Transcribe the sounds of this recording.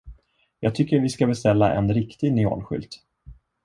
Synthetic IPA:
jɑːɡ̚t̪ʰʏkːəɾvɪskabɛst̪ɛlːaʔɛ̰nɾɪkt̪ɪɡnɪo̰ːlɧʏ̰lt̪

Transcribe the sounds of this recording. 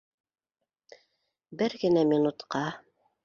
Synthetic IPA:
bɘɾɡɘ̆næmʲinut̪qɑ

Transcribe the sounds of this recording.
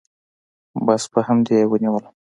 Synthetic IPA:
bɑsbəhamd̪ewəniwəl

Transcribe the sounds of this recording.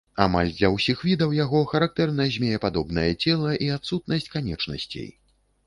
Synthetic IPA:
a̰ma̰lʲd̪lʲɐwsʲixvʲid̪ɐwjaɣɔxɐɾak̚t̪ɛrnɐzʲmʲejɛpad̪ɔbnɐjɛt͡sʲɛlˠɐʔiat̪sut̪̚nɐsʲt͡sʲkanʲɛt͡ʂnɐ̰sʲt͡sʲḛj

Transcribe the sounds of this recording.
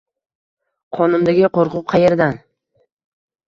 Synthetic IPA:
qʰɒnʊmd̪aɡʲɪqoɾqʰʊp̚qʰɑje̞ɾd̪an

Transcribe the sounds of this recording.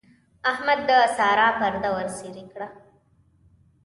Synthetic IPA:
ahmad̪ːəasɑːɾɑpaɾd̪awəɾsiɾikɽa

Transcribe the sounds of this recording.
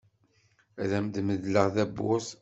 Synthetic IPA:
æðæmd̪məðləʁðæbːʊ̰s

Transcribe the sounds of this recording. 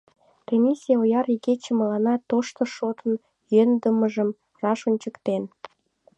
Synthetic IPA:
kemʲisʲijɑojɑɾiket͡ɕə̆məlɑnɑt̪oʃt̪ə̆ʃot̪ən | jønd̪əməʒəm | rɑʃonʲt͡ɕəkt̪en

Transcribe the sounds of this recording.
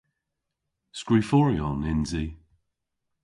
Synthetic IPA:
skɹiːfɔːɹiɔnɪnzi

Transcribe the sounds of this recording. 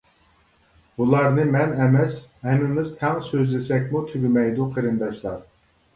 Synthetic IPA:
bulˠɑɾnɨmɛnɛmɛshɛnɪmɪzt̪ʰɛŋsøzlɪsɛkʲmut̪ʰyɡʲymɛjd̪uqʰəɾɨnd̪ɑʃlˠɑɾ

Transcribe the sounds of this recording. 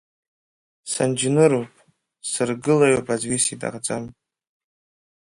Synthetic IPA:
sand͡ʒnɨɾupʼ | sɨrɡɨlajopʼʰazɥisidʼa̰ʁd͡zam

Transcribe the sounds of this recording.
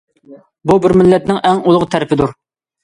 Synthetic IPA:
bubɪɾmɪlːɛt̪̚nɪŋɛŋulˠʊʁt̪ʰɛɾɪpʰɪd̪uɾ

